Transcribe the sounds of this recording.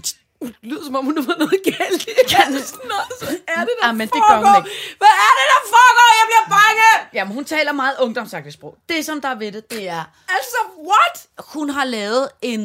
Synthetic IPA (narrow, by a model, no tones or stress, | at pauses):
ulyðˠsɒ̽mɒ̽mhunːuʋɐnɔːð̩ˠɡ̥æld̥ | næɐdedmːend̥eɡɶɐhuneɡʋææɐd̥ed̥ɑ̈fɔːɡ̥ɒ̰ːjäɪb̥liɐb̥ɑ̈ŋəjæmenhunt͡sʰɛ̰elɐmɑ̈ːð̩ˠɔ̽ŋd̥ɒ̽msɑ̈ɡ̥̚d̥əsb̥ʁɔʊ̰d̥e̝sɒ̽md̥ɑ̈ʋe̝d̥əd̥e̝æɐ | ælsɒʋɒd̥hunɦɑ̈lɛːʊð̞̩ˠe̝n